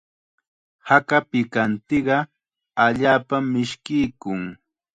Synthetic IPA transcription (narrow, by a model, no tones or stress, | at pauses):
hakapɪkant̪ɪɢɑ | aʎaːpamːɪʃkɪjkʊŋ